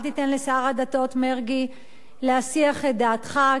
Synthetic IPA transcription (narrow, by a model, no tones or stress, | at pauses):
t̪itenlesaʁadato̞tmeʁɡi | leasiaχedaːtχa